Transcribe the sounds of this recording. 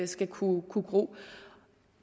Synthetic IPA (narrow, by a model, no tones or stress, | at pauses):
sɡ̥ækʰukʰuɡ̥ʁo̰ː